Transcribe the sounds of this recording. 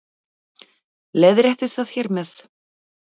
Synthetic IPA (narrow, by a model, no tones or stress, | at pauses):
leðɾɛht̪ɪst̪θað̥çɛɾmɛθ